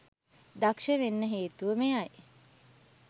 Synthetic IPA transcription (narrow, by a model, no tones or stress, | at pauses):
d̪akʃəʋenːəɦeːt̪uʋəmejaj